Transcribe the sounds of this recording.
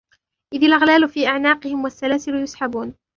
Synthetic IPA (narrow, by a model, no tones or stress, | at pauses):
ʔɪðalʔaɣlaːlʊfiːʔaʕnaːqɨhɪmwasːalaːsɪlʊjʊsħabuːn